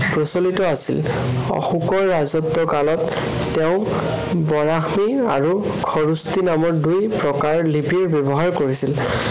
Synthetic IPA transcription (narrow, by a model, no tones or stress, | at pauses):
pɹɔsolitɔasḭl | ɔ̰xukɔɹːazɔtːɔkalɔtː | eʊ̃ | bɔɹaxmia̰ɹu | kʰɔɹustinamɔɹdujpɹɔkaɹlipiɹbebɔɦaɹkoɹisil